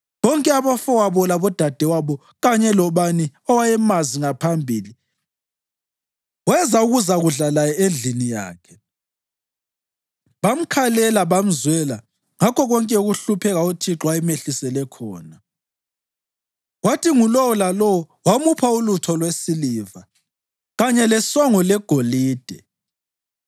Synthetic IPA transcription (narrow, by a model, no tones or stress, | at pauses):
βɔŋkʼɛaβɔfɔwaβɔlaβɔd̥ʱad̥ʱɛwaβɔ | ɣaɲɛlɔβaniɔwajɛmaziŋapʰambʱiːli | wɛzauɣuzaɣuɮalajɛend͡ɮʱinija̰ːkʰɛ̥ | βam̩kʰalɛlaβam̩zwɛla | ŋakʰɔɣɔŋkʼɛuɣuɬupʰɛɣautʰiǁwajɛmeɬisɛlɛkʰɔ̰ːna | watiŋulɔwɔlalɔwɔ | wamupʰaulutʰɔlwesiliːva | ɣaɲɛlɛsɔŋɔlɛɡ̥ʱoliːd̥ʱɛ